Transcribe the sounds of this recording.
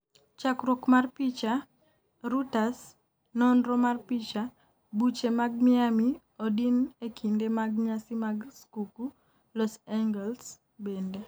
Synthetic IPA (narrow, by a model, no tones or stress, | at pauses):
t͡ʃakɾokmarpit͡ʃa | ɾutas | nɔndɾɔmarpit͡ʃa | but͡ʃemaɡ̚mɪami | odinekʰindemaɡ̚ɲasimaɡskuku | lɔsaŋɡɛls | bende